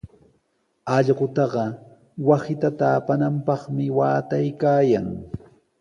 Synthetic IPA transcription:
ɑʎɢʊt̪ɑɢɑ | wasɪt̪at̪aːpanampɑχmɪwaːt̪ajkaːjaŋ

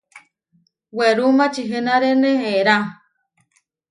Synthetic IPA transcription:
weɾumãt͡ʃiɦɨnaɾenẽeɾa

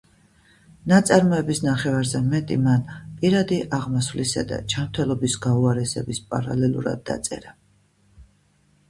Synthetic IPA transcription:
nat̪sʼaɾmɔɛbisnaχɛvaɾzɛmɛt̪ʼḭmanpʼiɾad̪iʔaʁmasvlisa̰d̪a̰d͡ʒamt̪ʰɛlˠɔbisɡauaɾɛsɛbispʼaɾalɛlˠṵɾa̰d̪̚ːa̰t̪sʼɛ̰ɾa

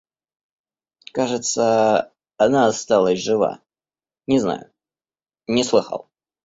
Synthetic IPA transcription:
kaʐɨt̪sə | ɐnaːst̪alˠəsʲʐɨva̰ | nʲɪzna̰jʊ | nʲɪslˠɨxə̰lˠ

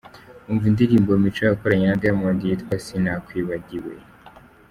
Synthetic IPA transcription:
uɱvundiɾiːmbomit͡ʃojakoɾaɲenadaamondijit̪kwasinakwiːβaɟiwḛ

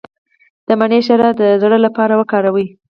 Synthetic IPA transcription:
d̪̥əmaneʃaɾad̪əzɽəlapɑɾawəkɑɾawi

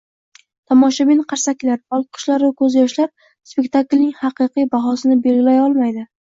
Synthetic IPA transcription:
t̪ʰɒmɒʃabɪnqʰaɾsakʲlaɾɒl̚ˠqʰʊ̥ʃlaɾakʰɵzjɒʃlap̚ | spe̞kʲt̪ʰaklnɪŋhɑqʰɨqɨjbaɦɒsɪnɪbe̞lɡʲɪlajɒlˠmajd̪ɪ

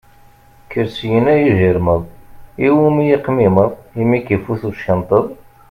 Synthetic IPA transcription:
kːəɾsjənæjiʒiɾməðˤiwumijiqmiməðˤimikifuθuʃənt̪ˤəðˤ

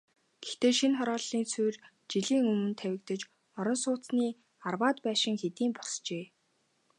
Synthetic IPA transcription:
ɡ̥ext̪eːʃinχɔɾɔːɮːiːnt͡sʰujr | t͡ɕiɮiːŋɵmɵ̆nt̪ʰæwʲɪ̆kt̪ə̆t͡ɕ | ɔɾɞ̆nsʊːt͡sniː | arwaːt̪pæːʃɪ̆ŋxet̪iːmpɔ̥st͡ɕeː

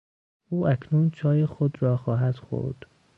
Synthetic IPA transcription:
ʔuːʔækʰnuːnt͡ʃʰɒːjexod̪ɾɒːxɒːɦæd̪̥xo̰ɾd̪̥

